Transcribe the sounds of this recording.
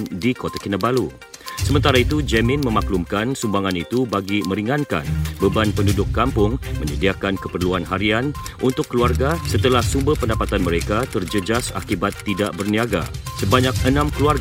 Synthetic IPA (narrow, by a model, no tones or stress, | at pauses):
ndikot̪akinəbalu | səmənt̪aɾait̪ud͡ʒɛmɪ̃nmə̃maklumkansumbaŋãnit̪ubaɡimə̃ɾiŋanka̰nbəbanpəndudʊkːampʊŋmə̃ɲədiakankəpərluanɦaɾian | ʔunt̪ʊkːəluarɡasət̪əlahsumbərpəndapat̪anməɾekat̪ərd͡ʒəd͡ʒasa̰kibat̪ːidaʔbərniaɡa̰səbaɲak̚ənãmkəluarɡ